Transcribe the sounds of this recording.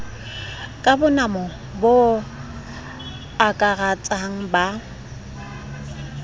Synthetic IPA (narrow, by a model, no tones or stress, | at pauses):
kʼabʊnamɔ | bo | akʼarat͡sʼaŋ̩ba